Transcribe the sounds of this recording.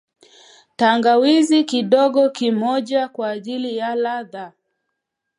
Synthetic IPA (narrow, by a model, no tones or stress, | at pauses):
taŋɡawizikiɗɔɠɔkimɔʄakwaːʄilijalaða